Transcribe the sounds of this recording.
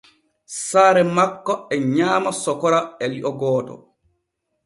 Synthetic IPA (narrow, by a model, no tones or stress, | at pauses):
saːɾɛmakːɔɛɲaːmasɔkɔɾaɛliʔɔɡɔːtɔ̰